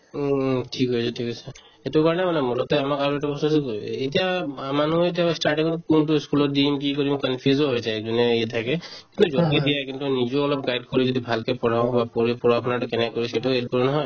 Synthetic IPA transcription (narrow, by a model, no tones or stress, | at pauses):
tʰikɦɔjsɛtʰikɦɔjsɛ | etukaɹɔnɛmanɛmɔɹɔtɛamakaɹuɛtabɔsɔsuetijamanuet̬iastaɹʈĩŋɔkuntuskulɔtdimkikoɹimkɔnpʰjuzɔɦojsɛɛk̚zɔnɛiatʰakɛkintuzɔkidijakintunizɔɔlɔp̚ɡajd̚kɔɹizodibʱalkɛpɔɹaʊ̃bapɔɹipuɹakʰɔnatʊkɛnɛkɛkɔɹisɛetuet̚kɔɹinɔɦɔj